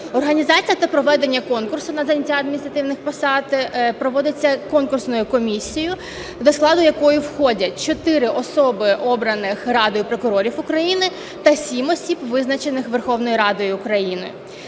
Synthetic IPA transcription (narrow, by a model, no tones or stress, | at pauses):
ɔrɦɐnʲizɑt͡sʲijɐt̪ɐpɾɔʋɛd̪e̞nʲːɐkɔnkʊrsʊnɐzɐnʲɐtʲːaɐd̪mʲinʲist̪ɾɐt̪ɪwnɪxpɔsɑt̪pɾɔʋɔd̪ɪt͡sʲːɐkɔnkʊrsnʊjʊkɔmʲisʲijʊ | d̪ɔsklˠɑd̪ʊjɐkɔjʊwxɔdʲɐt͡ʃɔt̪ɪɾɪʔɔsɔbɪʔɔbɾɐnɪxrɑd̪ɔjʊpɾɔkʊɾɔɾʲifʊkɾɐjinɪ | t̪ɐsʲimɔsʲibʋɪznɐt͡ʃenɪxʋerxɔwnɔjiɾɑd̪ɔjʊʊkɾɐjinɪ̰